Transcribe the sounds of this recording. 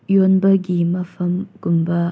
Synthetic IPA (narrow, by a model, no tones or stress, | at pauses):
jonbəɡimɐfɐmɡ̥ʊmba